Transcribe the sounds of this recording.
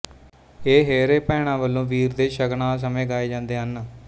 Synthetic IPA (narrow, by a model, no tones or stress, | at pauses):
eːɦeːɾeːpɛːɽ̃ãːʋəlːõːʋiːɾd̪eːʃəɡnãːs̬əmẽːɡaːeːd͡ʒãːnd̪eːɦən